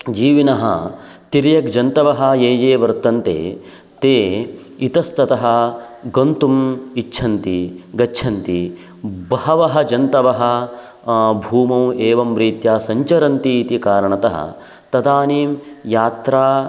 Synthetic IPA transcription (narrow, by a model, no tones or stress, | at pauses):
d͡ʒiːʋinɐɦɐ̰t̪iɾjɐkd͡ʒɐnt̪ɐʋɐɦɐjeːjeːʋɐɾt̪ɐnt̪ḛː | t̪eː | it̪ɐst̪ɐt̪ɐɦɐɡont̪umitːʃʰɐnt̪iɡɐʃʰɐnt̪i | bɐɦɐʋɐɦɐd͡ʒɐnt̪ɐʋɐɦɐ | bʱuːmɐmeːʋɐmɾiːt̪jaːsɐɲt͡ʃɐɾɐnt̪iːt̪ikaːɾɐɳɐt̪ɐɦɐ̰ | t̪ɐd̪aːniːmjaːt̪ɾaː